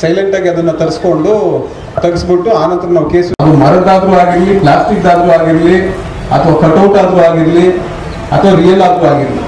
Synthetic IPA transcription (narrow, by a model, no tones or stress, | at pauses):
sɐjleɳʈaːɡiɐd̪ɐnːɐt̪ɐɾisko̞ɳɖu | t̪ɐɡisbiʈːuaːnɐnt̪ɐɾɐnaːʋukeːsɐd̪umɐɾɐd̪aːd̪ɾuaːɡiɾliplaːsʈik̚d̪aːd̪ɾuaːɡiɾli | ɐ̰t̪ʰɐʋaːkɐʈɐwʈaːd̪ɾuaːɡiɾli | ɐt̪ʰɐʋaɾijɐlaːd̪ɾuaːɡiɾlḭ